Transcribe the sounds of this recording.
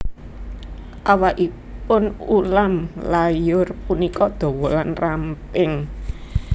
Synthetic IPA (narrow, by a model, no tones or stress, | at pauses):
ʔawaʔi | pʊnulamlajʊrpunikɔd̪̥o̤wɔlanrampɪŋ